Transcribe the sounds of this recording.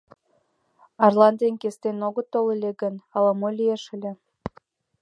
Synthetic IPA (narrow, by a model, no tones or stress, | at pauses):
ɑrlɑnd̪enkest̪enoɣə̆t̪olelʲeɡənɑlɑmolʲieʃə̆lʲĕ